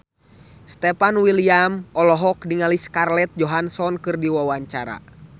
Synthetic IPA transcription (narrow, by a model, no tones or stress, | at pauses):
st̪ɛpanwiliamɔlɔɦɔk̚diŋaliskarlɛt̪̚d͡ʒɔɦansɔnkɨrdiwawaɲt͡ʃaɾa̰